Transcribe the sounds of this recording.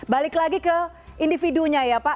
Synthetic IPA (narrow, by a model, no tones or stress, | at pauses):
balɪklaɡikə | indifiduɲajapa